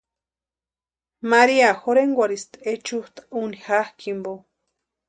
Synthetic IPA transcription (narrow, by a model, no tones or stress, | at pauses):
maɾiaxoɾeŋɡʷaɾist̪et͡ʃuht̪ḁunixahkimbo